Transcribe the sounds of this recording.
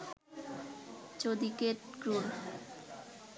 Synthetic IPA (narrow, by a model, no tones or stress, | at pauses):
t͡ɕod̪ikeʈɡɾuɾ